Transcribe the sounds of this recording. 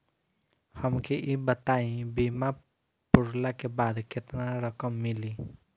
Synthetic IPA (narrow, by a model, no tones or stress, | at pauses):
həmkeʔibət̪aĩbima | pʊɾlakebad̪ket̪naɾəkəmːili